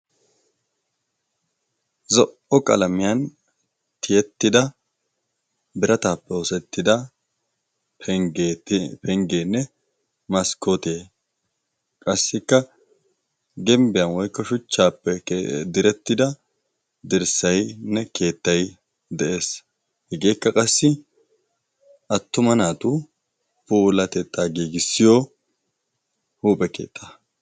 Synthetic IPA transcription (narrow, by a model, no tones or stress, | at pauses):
zɔʔɔkʼɐ̰lɐmɪjɐn | t̪ʰɪjɛt̪ːɪd̪ɐ | bɪɾɐt̪aːpːɛɔsɛt̪ːɪd̪ɐ | pɛŋɡeːnːɛ | mɐskʰot̪eː | kʼɐsːɪkːɐ | ɡɛmbɪjɐnwɔjkːɔʃʊt͡ʃːaːpːɛd̪ɪɾɛt̪ːɪd̪ɐ | d̪ɪɾsɐjnːɛke̞ːt̪ːɐj | d̪ɛʔe̞ːs | hɪɡe̞ːkːɐkʼɐsːɪ | ʔɐt̪ːʊmɐnaːt̪ʊ | puːlɐt̪ɛt̪ʼːaːɡiːɡɪsːɪjo | huːpʼɛke̞̰ːt̪ʰʼːa